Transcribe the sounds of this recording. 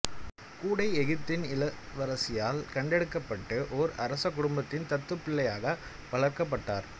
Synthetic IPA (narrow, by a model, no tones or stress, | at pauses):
kuːɽɐɪɛɣɯp̚t̪ːɪnɪlɐʋɐɾɐsɪjaːlkɐɳɖɛɽɯkːɐpːɐʈːɯʔɔɾɐɾɐsɐkːʊɽʊmbɐt̪ːɪnt̪ɐt̪ːɯpːɪɭːɐjaːɣɐ | pɐɭɐɾkɐp̬ːɐʈːaːɾ